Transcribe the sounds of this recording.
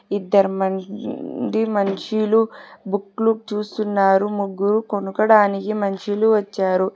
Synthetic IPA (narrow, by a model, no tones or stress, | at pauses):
id̪ːɐɾɐmɐn | d̪imɐnt͡ʃilubukːlut͡ʃuːst̪unːaːɾumuɡːuɾukonukɐɽaːnikimɐnt͡ʃiluʋɐt͡ʃːaːɾu